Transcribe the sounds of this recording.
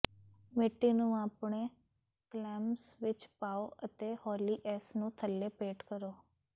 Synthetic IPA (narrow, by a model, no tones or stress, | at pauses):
mɪʈːiːnũːaːpɳeː | klɛːmsʋɪt͡ʃpaːoːʔət̪eːhɔːliːʔɛːsnũːt̪ʰəlːeːpeːʈkəɾoː